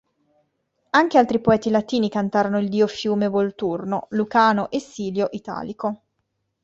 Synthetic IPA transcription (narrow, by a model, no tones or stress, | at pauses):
aŋk̟ealt̪ɾipoɛːt̪ilat̪iːnikant̪aːɾonoild̪iːofjuːmevolt̪urnolukaːnoʔesːiːljoʔit̪a̰ːliko